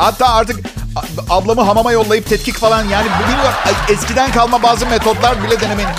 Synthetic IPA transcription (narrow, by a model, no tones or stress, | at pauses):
hat̪ːaːaɾt̪ɯk | ablˠamɯɦamamajo̞lˠːajɯp̚t̪ʰɛt̪̚cʰicfalˠanjaːnibubilʲjɛscid̪ænkalˠmabaːzɯme̞t̪ʰo̞d̪lˠaɾbilʲɛd̪e̞ne̞menʲi